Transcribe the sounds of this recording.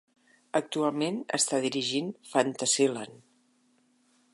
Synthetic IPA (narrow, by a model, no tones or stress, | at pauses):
ək̚t̪ualˠmenə̰st̪aðiɾiʒinfant̪əsilan